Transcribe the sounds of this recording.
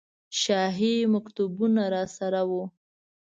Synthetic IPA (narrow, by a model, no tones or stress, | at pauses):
ʃɑɦimakt̪ubunaɾɑsaɾawo